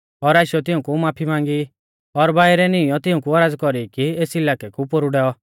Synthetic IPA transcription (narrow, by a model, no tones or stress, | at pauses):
ɔɾaːʃjɔt̪ɪũkumaːpʰimãːŋɡi | ɔɾbaːiɾɛnɪ̃jɔt̪ɪũkuaɾaːd͡zkɔɾikieːsɪlaːkɛkupoɾuɖɛɔ